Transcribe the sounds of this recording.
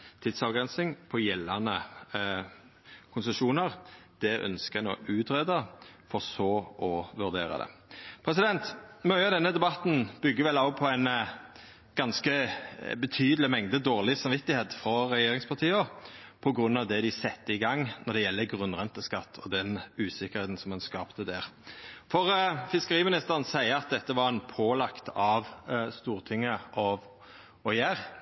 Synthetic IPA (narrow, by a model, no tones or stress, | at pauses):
t̪ʰɪd̪sɑʋɡʁɛnsɪŋpʰɔjɛlːɑnə | kʰʊnsəʃuːnəʁd̪̥ɛʔœ̰nskəno̰ːʔʉːt̪ʁɛːd̪əfɔʁsɔːʔɔʋʉʁd̪eːɾɑ̰d̪ɛ̰pʰɾɛs̬ɪd̪ɛnt̪mœʏɑd̪ɛnːəd̪ɛbɑt̪n̩b̥ʏɡːəʋɛlːɑpʰɔæɪn | ɡ̥ɑnskəbət̪ʰyːd̪lɪmɛŋd̪əd̪oːʁlɪsɑmʋɪt̪ːɪheːt̪fɾɔʁɛjeːɾɪŋspʰɑʁt̪ʰiːɔpʰɔɡʁʉnːɑʋd̪ɛd̪ɪsɛt̪ːəɪɡɑŋnɔʁd̪ɛjɛlːəɡʁʉnʁɛnt̪əskɑt̪ʰːɔd̪ɛnʉːsɪkːəɾheːt̪n̩sɔmɛnskɑːpt̪əd̪æʁfɔʁfɪskəʁiːmɪnɪst̪əʁənsæɪəɑt̪̚d̪ɛt̪ːəʋɑʁɛnpʰoːlɑkt̪ɑʋst̪uːʁt̪ʰɪŋːəʔɔʋ | ɔjæːʁ